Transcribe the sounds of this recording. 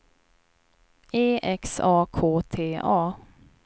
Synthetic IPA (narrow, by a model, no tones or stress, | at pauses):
eːʔɛksɑːkʰoːt̪ʰeːʔɑː